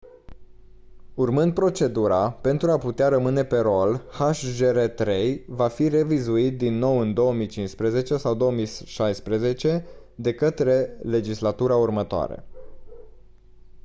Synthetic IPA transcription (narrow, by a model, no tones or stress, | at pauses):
urmɨnd̪̚pɾo̞t͡ʃe̞d̪uɾape̞nt̪ɾuaput̪eaɾəmɨne̞pe̞ɾo̞lhaʃʒeɾet̪ɾe̞jvafire̞vizuit̪̚d̪inːo̞wɨnd̪o̞wəmit͡ʃinspɾeze̞t͡ʃe̞sawd̪o̞əmisʃajspɾeze̞t͡ʃe̞ | d̪e̞kət̪ɾe̞le̞d͡ʒislat̪uɾaurmət̪oa̰ɾḛ